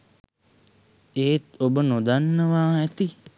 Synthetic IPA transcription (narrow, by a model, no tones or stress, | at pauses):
eːt̪obənod̪anːəʋaːɛt̪i